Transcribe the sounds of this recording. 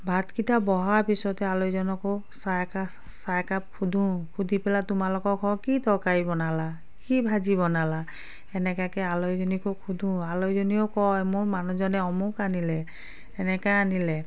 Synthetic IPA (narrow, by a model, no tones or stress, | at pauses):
bʱatkitʰabɔɦaɹpisɔtɛalɔjzɔnɔkɔ | sajka | sajkap̚kʰudʱũkʰudʱipɛlatʊmalɔkɔɹkʰɔ̃kitɔkaibɔnala | kibʱazibɔnala | ɛnɛkakɛalɔjzɔnikokʰud̪ʱũalojzɔniɔkɔjmʊɹmanuzɔnɛɔmukanilɛ | ɛnɛkajanilɛ